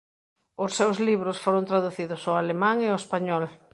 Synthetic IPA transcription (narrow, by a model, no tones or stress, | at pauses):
ʊsːewzliβɾʊsfoɾõnt̪ɾaðuθiðʊsʊalemãŋeʊespaɲɔl